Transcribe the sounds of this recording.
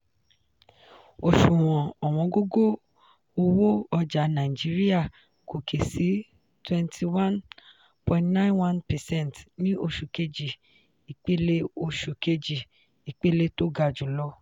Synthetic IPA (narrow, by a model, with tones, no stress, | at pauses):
o˧ʃu˨w̃ɔ̃˨ɔ˨w̃ɔ̃˧˦ɡo˦ɡo˦ | o˧wo˦ɔ˧d͡ʒa˨˦nã˨ĩ˨d͡ʒi˨˦ɾi˦a˦˨ | ko˨kʰe˨si˨˦ | twɛ̃˧ntʰi˧wã˦n | pɔ̃˨ĩ˦tnã˦ĩ˦nwã˦npɛ˨sɛ̃˦˨ntnĩ˦ʔo˧ʃu˨ke˧d͡ʒi˨ | i˨k͡pe˦le˦o˧ʃu˨ke˧d͡ʒi˨ | i˨k͡pe˦le˦to˦ɡa˧d͡ʒu˨lɔ˦